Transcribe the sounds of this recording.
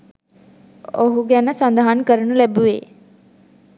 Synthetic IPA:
oɦuɡɛnəsənd̪əɦankəɾəɳulɛbuʋeː

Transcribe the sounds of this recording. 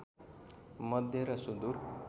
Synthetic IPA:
mʌd̪ʱjʌɾʌsud̪uɾ

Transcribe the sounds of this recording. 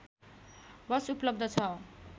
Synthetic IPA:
bʌsuplʌb̚d̪ʱʌt͡sʰʌ

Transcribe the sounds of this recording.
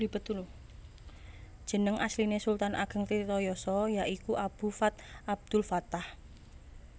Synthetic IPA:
ib̥ət̪ul | d̥ʒ̥ə̤nəŋʔaslinesult̪anʔa̰ɡ̥ə̤ŋt̪it̪ɔjɔsɔjaʔikuʔab̥ṳfat̪̚ʔab̚d̪̥ʊ̤lfat̪ah

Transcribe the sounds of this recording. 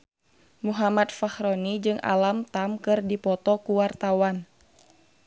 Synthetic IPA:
muɦamat̪̚fahɾonid͡ʒɨŋʔa̰lamt̪amkɨrdipɔt̪ɔkuwart̪awan

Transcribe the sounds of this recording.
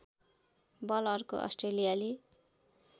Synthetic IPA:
bʌlʌrko̰ʔʌ̰sʈrelijali

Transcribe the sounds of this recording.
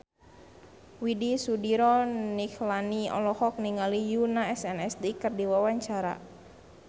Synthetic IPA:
widisudiɾɔniklaniɔ̰lɔhɔk̚niŋalijunaɛsɛnɛsdikərdiwawaɲt͡ʃaɾa̰

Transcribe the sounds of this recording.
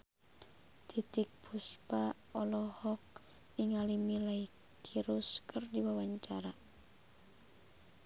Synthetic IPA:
t̪it̪ik̚pʰuspa | ɔlɔhɔk̚ | iŋalimilai | kʰiɾuskʰɨrdiwawaɲt͡ʃaɾa

